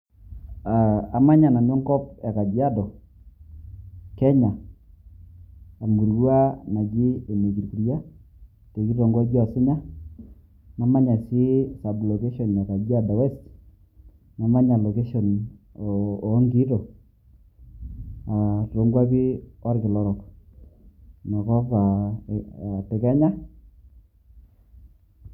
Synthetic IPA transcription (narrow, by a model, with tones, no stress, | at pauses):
a˨a˨ma˦ɲa˨na˨nɔ˦ŋkɔ˦p̚a˨ka˨d͡ʒi˦a˦dɔ˨ | kɛ˦ɲa˨ | mu˨ɾɡwa˦na˨d͡ʒi˦e˨me˨ɡi˨ɾku˨rja˦ | te˨ki˦ɾo˨ŋɡa˦d͡ʒi˦a˨sɪ˦ɲa˦ | na˨ma˦ɲa˨si˦sa˨blɔ˨ke˦ʃɔ˨nja˨ka˨d͡ʒi˦a˦da˨wɛ˦st | ma˨ma˦na˨lo˨ke˦ʃɔ˨n˨˦ | ŋɡi˦tɔ˨ | a˨ro˨ŋɡwa˦ki˦ɔ˦ɾkɪ˨lɔ˦ɾɔ˨k | na˨kɔ˦pa˨ | pɛ˨ka˦ɲa˦